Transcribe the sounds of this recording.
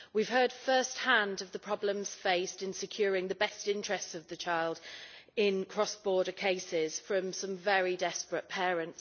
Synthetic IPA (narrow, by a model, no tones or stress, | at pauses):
wiv̥hɜːd̥fɜˑst̚hãndəvðəpʰɹ̥ɒblə̃mz̥feɪstɪ̃nsɪkʰj̥ɔːɹɪ̃ŋðəbɛstɪ̃nt͡ʃɹ̥ɛstsəvðət͡ʃʰaɪlˠdɪ̃nkʰɹ̥ɒsb̥ɔːɾəkʰeɪsɪz̥fɹə̃msʌ̃ɱvɛɹidɛspɹəʔpʰɛːɹə̃nts